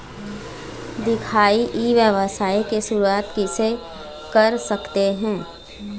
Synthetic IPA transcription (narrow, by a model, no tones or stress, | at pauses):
d̪ɪkʰaːiʔiʋjəʋəsaːikesʊɾuaːt̪kise | kɐɾsɐkt̪eɦɛ̃ː